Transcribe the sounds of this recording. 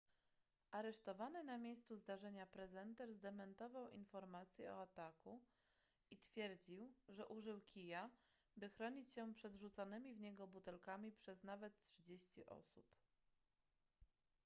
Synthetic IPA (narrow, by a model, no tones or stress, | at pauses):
ʔaɾɛʂt̪ɔvanɘnamʲjejst̪suzd̪aʐɛɲapɾɛzɛnt̪ɛɾzd̪ɛmɛnt̪ɔvawḭnfɔɾmat̪sʲjɛɔ̰at̪aku | it̪fʲjɛɾd͡ʑiwʐɛʔuʐɘwkʲija | bɘxɾɔɲit͡ɕɕɛpʂɛd̪ʐut̪sanɘmʲivɲɛɡɔbut̪ɛlkamʲipʂɛznavɛt̪tʂɘd͡ʑeɕt͡ɕiʔɔ̰sup